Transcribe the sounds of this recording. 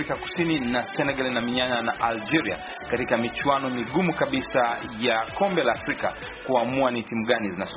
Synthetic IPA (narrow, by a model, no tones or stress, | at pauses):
ikaku̥sininasɛnɛɡalinamiɲananaʔald͡ʒɛɾia̰ | katikamit͡ʃuanɔmiɠumukaɓisa | jakɔmbɛlaːfɾika̰ | kuamuanitimuɠanizinaz